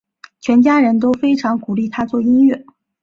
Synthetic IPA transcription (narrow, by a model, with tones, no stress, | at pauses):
t͡ɕʰɥɛ˧˥nt͡ɕja˥ɻə˧˥nt̪̬o˥ʊfe˥ɪʈ͡ʂʰɑ˧˥ŋku˨˩li˥˩t̪ʰa˥t͡swɔ˥˩i˥ŋɥɛ˥˩